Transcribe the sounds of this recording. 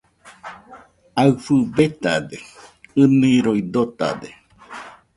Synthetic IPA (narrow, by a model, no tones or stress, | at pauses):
aɨfɨbet̪a̰d̪eɨnĩɾoid̪ot̪a̰d̪e